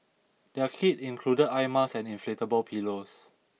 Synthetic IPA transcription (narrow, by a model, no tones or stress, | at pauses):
dɛkʰitĩnkʰludədajmasɛ̃nĩnfletəbəlpʰilos